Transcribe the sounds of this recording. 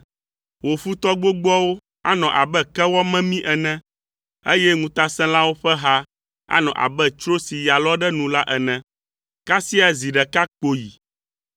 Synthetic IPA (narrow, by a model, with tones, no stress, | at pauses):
wo˨fu˦t̪ɔ˦ɡ͡bo˦ɡ͡bɔ˦wo˦ | a̰˦nɔ̃˨ʔa˨bɛ˦kɛ˦wɔ˦mɛ̃˦mĩ˦ʔɛ˨nɛ̃˦ | e˦jɛ˦ŋũ˨˦t̪a˦sɛ̃˦la˦wo˦ɸɛ˦ɦa˦ | a̰˦nɔ̰̃˨ʔa̰˨bɛ˦t͡ʃɾo˦si˨ja˨lɔ˦ɖɛ˦nũ˨la˦ʔɛ˨nɛ̃˨ | ka˦si˦a˨zi˨ɖɛ˨ka˦k͡po˨ji˨